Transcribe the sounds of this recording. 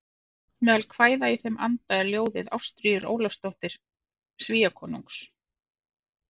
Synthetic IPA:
mɛːðalkʰvaːjðaiθemʔa̰nt̪aɛɾljoːwðɪ̰ða̰wst̪ɾyːjʏɾo̰ːwlast̪oht̪ɪɾ̥ | sviːakʰɔːnuŋks

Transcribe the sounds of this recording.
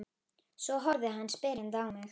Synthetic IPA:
svɔɦɔɾðɪɦanːspɛːɾɪnt̪aːwmɪx

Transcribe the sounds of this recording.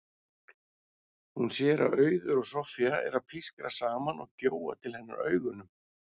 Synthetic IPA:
hunsjɛːɾa̰ðœːɥðʏɾɔɣsɔfiaɛɾaðpʰiskɾasaːmanɔ̰ɣcoːwa̰t̪ʰɪlhɛnːa̰ɾœ̰ːɥɣʏnʏm

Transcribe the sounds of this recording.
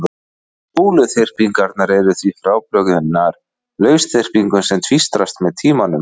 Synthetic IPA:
puːlʏθer̥piŋkaɾt̪̚naɾɛɾʏθvifɾaːwplœɣʏʏnaɾ̥ | lœːɥsθer̥piŋkʏnsɛmt̪ʰvist̪ɾast̪mɛðt̪ʰiːmanʏm

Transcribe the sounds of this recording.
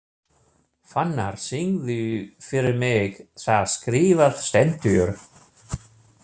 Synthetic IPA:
fanːa̰ɾ̥siŋðʏfɪɾɪɾmɪɣθaðskɾiːvaðst̪ɛn̥t̪ʏʏɾ

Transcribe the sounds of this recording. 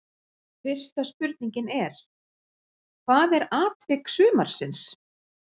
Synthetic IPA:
fɪr̥st̪aspʏɾt̪̚niɲcɪnɛɾ̥ | kʰvaðɛɾaːt̪vɪksʏːmaɾ̥sɪns

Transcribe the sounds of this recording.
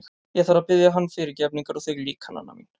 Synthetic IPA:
jɛɣθaɾapɪðjaɦanːfɪɾɪɾcɛp̬niŋkaɾɔθɪɣliːkhana̰nːa̰mḭn

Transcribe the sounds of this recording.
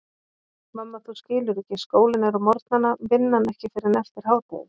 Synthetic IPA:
mamːaθuscɪːlʏɾɛcɪskoːwlɪnaɾamɔɾt̪nanːavɪnːanɛhcɪfɪɾɪɾnɛft̪ɪɾ̥haːwt̪a̰jɪ̰

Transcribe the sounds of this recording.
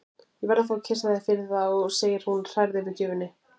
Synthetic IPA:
jɛvɛɾðaθawcʰɛsaðɪfɪɾðaɔɣseːjɪɾ̥hunr̥ajɾðɪvɪcʏːvɪnːɪ

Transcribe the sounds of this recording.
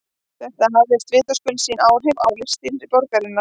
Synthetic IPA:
θɛht̪aɦavɛst̪vɪːt̪askʏlsiːnaːwɾɦʏvawlɪ̥st̪iɾɾipɔɾkaɾɪnːa

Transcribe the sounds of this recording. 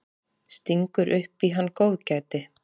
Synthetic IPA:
st̪iŋkʏɾʔʏhpiɦanːkoːwðcajt̪ɪ

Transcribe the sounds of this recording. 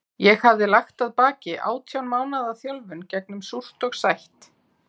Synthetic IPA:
jɛɣhavðɪlaxt̪aðpaːcɪʔa̰ːwt̪ʰjawnmaːwnaðaθjɔlvʏncɛknʏmsur̥t̪ɔɣsajht̪

